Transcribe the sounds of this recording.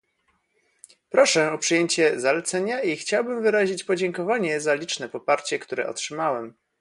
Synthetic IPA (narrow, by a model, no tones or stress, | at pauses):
pɾɔʂɛɔpʂɘjeɲt͡ɕɛzalɛt̪sɛɲaixt͡ɕawbɘmvɘɾaʑit͡ɕpɔd͡ʑɛŋkɔvaɲɛzalʲit͡ʂnɛpɔpaɾt͡ɕɛkt̪uɾɛ̰ɔ̰tʂɘmawɛm